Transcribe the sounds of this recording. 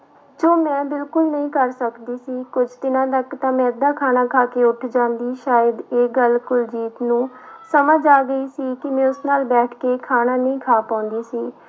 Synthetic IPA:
d͡ʒoːmɛ̃ːbɪlkʊlnəɦĩːkəɾsəkd̪iːsiːkʊd͡ʒt̪ɪnãːt̪əkt̪ãːmɛ̃ːd̪aːkʰaːnaːkʰaːkeːʊʈʰd͡ʒãːnd̪iːʃaːjəd̪eːɡəlkʊld͡ʒiːt̪nũːsəməd͡ʒaːɡəiːsiːkɪmɛ̃ːʊsnaːlbɛːʈʰkeːkʰaːnãːnəĩːkʰaːpãːʊ̃nd̪iːsiː

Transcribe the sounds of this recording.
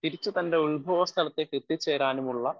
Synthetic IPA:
t̪iɾit͡ɕːut̪ɐndeuɭbʱoːʋɐst̪ʰɐlɐt̪ːeket̪ːit͡ɕːeːɾaːnumuɭːɐ

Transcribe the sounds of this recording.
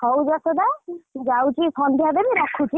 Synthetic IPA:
hɔwd͡ʒɔsɔd̪ad͡ʒawt͡ʃikʰɔnd̪iab̪ebiɾɔkʰːut͡ʃi

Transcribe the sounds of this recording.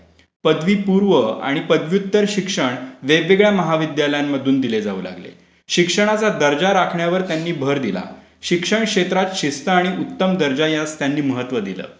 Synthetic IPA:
pəd̪ʋiːpuɾʋəa̰ɽ̃ipəd̪ʋjut̪ːəɾɕikʂəɳʋebʋeɡɭjaməɦaʋid̪jaləjamːəd̪ʱuːnd̪iled͡zaṵːla̰ɡlḛ | ɕikʂəɽ̃at͡sad̪əɾd͡ʑaɾakʰɳjaʋəɾt̪janːiːbʱəɾd̪ila̰ | ɕikʂəɳkʂet̪ɾat̪ɕist̪əaɽ̃iʔut̪ːəmd̪əɾd͡ʑajast̪janːiːməɦət̪ʋəd̪ilə̰ː

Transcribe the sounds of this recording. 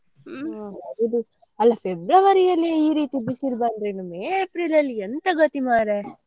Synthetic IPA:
id̪u | ɐlːɐfebɾɐʋɐɾijɐlːiiːɾiːt̪ibisiɾbɐnd̪ɾenɐmːeepɾilɐlːient̪ɐɡɐt̪imaːɾe

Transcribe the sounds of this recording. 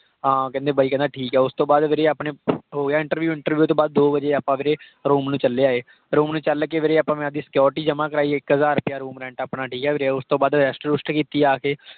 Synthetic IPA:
ãːkɛ̃ːnd̪eːbəiːkɛ̃ːnd̪aːʈʰiːkɛːʊst̪õːbaːd̪ʋeːɾeːaːpɳeːɦoːɡeaːɪ̃ɳʈəɾʋjuːɪ̃ɳʈəɾʋjuːt̪õːbaːd̪̚ːoːʋəd͡ʒeːaːpãːʋeːɾeː | ɾoːmnũːt͡ʃəlːeːaːeː | ɾoːmnũːt͡ʃəlkeːʋeːɾeːaːpãːmɛ̃ːd̪iːsə̥kjɔːɾʈiːd͡ʒəmãːkəɾaːiːɪkɦəzaːɾpjaːɾuːmɾɛ̃ːɳʈaːpnaːʈʰiːkɛːʋeːɾeːʊst̪õːbaːd̪ɾɛːsʈɾʊsʈkiːt̪iːaːkeː

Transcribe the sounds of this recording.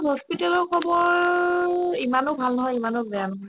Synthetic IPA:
ɦɔspitɛlɔɹkʰɔbɔɹ | imanobʱalnɔɦɔjimanʊkbɛanɔɦɔj

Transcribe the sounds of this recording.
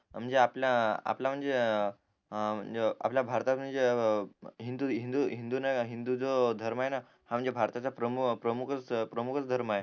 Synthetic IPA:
m̤əɳd͡zeapljaa̰plam̤əɳd͡ze | m̤ə̰ɳd͡zea̰pljabʱaɾt̪at̪m̤əɳd͡ze | ɦind̪uɦind̪uɦind̪unaɦind̪ud͡zod̪ʱəɾmaɦena | ham̤əɳd͡zebʱaɾt̪at͡sapɾəmukpɾəmukʰət͡spɾəmukʰət͡sd̪ʱəɾmae

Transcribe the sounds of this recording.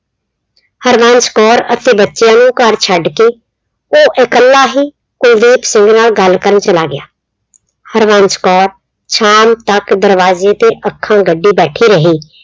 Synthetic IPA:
həɾʋaːnt͡ʃkɔːɾət̪eːbətːʃejãːnũːkəɾt͡ʃʰəɖkeː | oːʔɪkəlːaːɦiː | kʊld̪iːpsɪŋɡnaːlɡəlkəɾənt͡ʃəlaːɡɪja̰ː | həɾʋãːnt͡ʃkɔːɾ | t͡ʃʰaːmt̪əkd̪əɾʋaːzeːt̪eːʔəkʰːãːɡəɖːiːbɛːʈʰiːɾəɦiː

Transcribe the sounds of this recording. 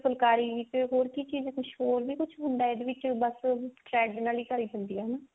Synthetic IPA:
səlkaːɾiːʋɪt͡ʃɦoːɾkit͡ʃiːzkʊt͡ʃʰɦoːɾbiːkʊt͡ʃʰɦʊ̃nd̪aːɪd̪eʋɪt͡ʃbəsʈɾɛːɖnaːliːkəɾiːd̪ə̃nd̪iːɛːnaː

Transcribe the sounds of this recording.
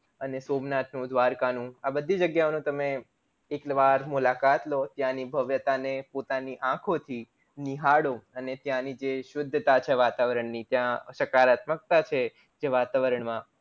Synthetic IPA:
ənesomnat̪nũd̪ʋaɾkanũabəd̪ʱid͡ʒəɡjaonũt̪əme | eklʋaɾmulakat̪lot̪jãnibʱəʋjət̪anepot̪aniʔãkʰot̪ʰi | niɦaɽoənet̪jãnid͡ʒeʃʊd̪ʱːət̪at͡ʃʰeʋat̪aʋəɾəɳnit̪jãʃəkaɾat̪mək̚t̪at͡ʃʰe | d͡ʒeʋat̪aʋəɾəɳmã

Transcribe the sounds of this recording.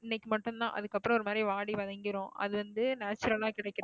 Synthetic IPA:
ɪnːɛkːɯmɐʈːɯmt̪ã̰ːʔɐ̰ðɯkːɐpːɯɾɔ̃ɔɾɯmaːd̪ɾiʋaːɽiʋɐðɐŋɡɪɾõʔɐ̰ðɯʋɐnd̪ɯnaːt͡ʃːɾɐlaːkɪɽɛɪkːɪɾ̃

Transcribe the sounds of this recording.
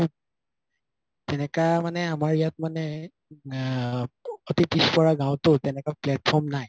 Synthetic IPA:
u | tɛnɛkamanɛamaɹijat̚manɛ | otipispɔɹaɡãw̃tʊtɛnɛkaplɛt̚pʰɔɹmnaj

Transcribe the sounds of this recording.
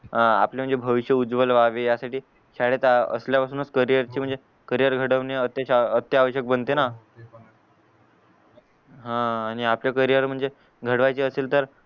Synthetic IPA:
a̰pljem̤əɳd͡zebʱəʋiɕjəud͡zʋəlʋaʋejasaʈiː | ɕaɽet̪ə̰sljapasuːnət͡skəɾijəɾt͡ɕiːm̤əɳd͡ze | kəɾijəɾɡʱəɽəʋneət̪əɕaət̪ːjəaʋəɕjək̚bənt̪ena | ɦãːɽ̃iapljakəɾijəɾm̤əɳd͡ze | ɡʱəɽʋajt͡ɕiəseːlt̪əɾ

